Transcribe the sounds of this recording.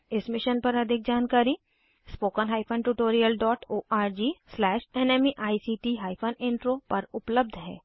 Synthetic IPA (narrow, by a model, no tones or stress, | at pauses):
ɪsmɪʃənpɐɾɐd̪ʱɪk̚d͡ʒaːnkaːɾi | spoːkənɦaːɪpʰənʈuːʈoːɾijəlɖɔːʈoːʔaːɾd͡ʒiːslɛːʃɛːneːmiʔaːisiːʈiɦaːɪpʰənɪ̃ɳʈɾopɐɾʊpləb̚d̪ʱɦɛ̰ː